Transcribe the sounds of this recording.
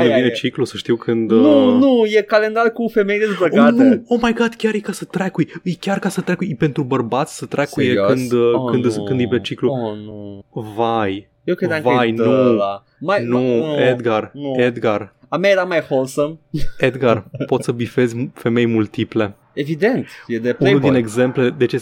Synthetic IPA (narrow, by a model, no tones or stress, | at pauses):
nevinet͡ʃiklusəʃt̪iwkʰɨnd̪nunujekalend̪aɾkufemejd̪ezbəɡatnuomajɡat̪kʲjaɾjekasət̪ɾakujjkʲarkasət̪ɾakujpe̞nt̪ɾubərbat̪sʲsət̪ɾakujekɨnd̪kɨnd̪skɨnd̪ipet͡ʃiklu | vaj | jekɾed̪ãŋvjnu | majnued̪ɡared̪ɡar | amjaeɾamajholsəmed̪ɡarpo̞t̪səbife̞zʲfe̞me̞jmult̪iple̞ | evid̪ent̪jed̪epunuld̪ineɡze̞mpled̪et͡ʃe